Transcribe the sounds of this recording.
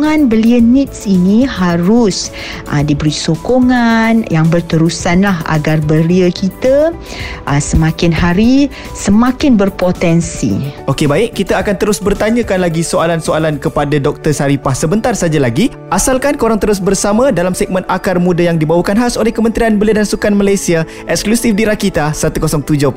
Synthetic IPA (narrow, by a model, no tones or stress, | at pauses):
ŋãnbəliənit̪̚sinihaɾʊs | ʔə̰dibəɾisokoŋanjaŋbərt̪əɾusanlaɦa̰ɡarbəliəkit̪ə | ʔəsəmãkɪnhaɾi | səmãkɪnbərpot̪ɛnsḭʔokebaɪʔkːit̪aakant̪əɾʊsbərt̪aɲãkanlaɡisoalansoalankəpadadɔk̚t̪ərsaɾipahsəbənt̪arsad͡ʒalaɡi | ʔasalkankəoɾaŋt̪əɾʊs̬bərsamãdalamsɛɡ̚mə̃nakarmũdajaŋdibawakanɦasolɛhkəmənt̪ɾianbəliədansukanmalajsia | ʔɛksklusifdiɾakit̪asat̪ukosɔŋt̪ud͡ʒɔ